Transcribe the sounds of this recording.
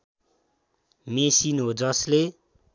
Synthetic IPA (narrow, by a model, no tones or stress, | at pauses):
mesinɦod͡zʌsle